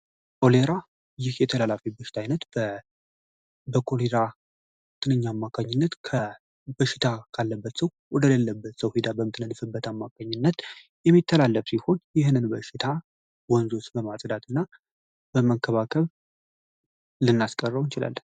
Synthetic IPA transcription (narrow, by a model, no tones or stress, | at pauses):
kʼo̞leɾa | jɪhjɛt̪ʰəlalafibəʃɪ̥t̪ʰajnət̪bə | bəkʰoleɾa | t̪ʰɨnɨɲːaamːakʰʼaɲːɪnːət̪kʰə | bəʃɪ̥t̪ʰakʰalːəbːət̪səw | wɔd̪ələlːəbːət̪səwhed̪abəmɨt̪nəd̪ɨfɨbːət̪amːakʰʼaɲːɪnːət̪ | jɛmːit̪ʰːəlalːəfsiho̞njɪhɨnɨnbəʃɪt̪ʰa | wɔnzot͡ʃbəmasʼd̪at̪ʰɨnːa | bəməkʰːəβakʰəβ | lɨnːaskʼərːəwnt͡ʃɪla̰lːən